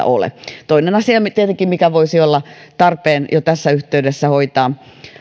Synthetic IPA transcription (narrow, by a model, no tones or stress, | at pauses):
o̰lḛt̪oinenɑsiɑmt̪iet̪eŋkˑimikæʋoisiolːɑt̪ɑrpeːnjot̪æsːæyht̪eydesːæhoit̪ɑː